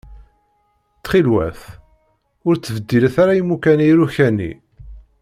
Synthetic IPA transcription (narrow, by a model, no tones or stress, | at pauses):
t͡sχilwæ̰θ | ʊɾt͡sːvəd̪ːilæθaɾajimːukænijɾuçænḭ